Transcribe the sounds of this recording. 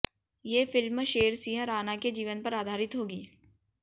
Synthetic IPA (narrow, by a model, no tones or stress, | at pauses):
jeːfɪlmʃeːɾsiːɦəɾaːnaked͡ʒiːʋənpɐɾaːd̪ʱaːɾɪt̪ɦoːɡiː